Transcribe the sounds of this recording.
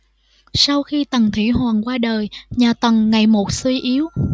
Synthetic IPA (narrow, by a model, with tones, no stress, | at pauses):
sa˧wxi˧t̪ə˨˩ŋt̪ʰḭ˧˥ɦwaː˨˩nkwaː˧ɗəː˨˩jɲaː˨˩t̪ə˨˩ŋŋa˨˩jmo˨˩t̚swi˧ʔi˨˦əw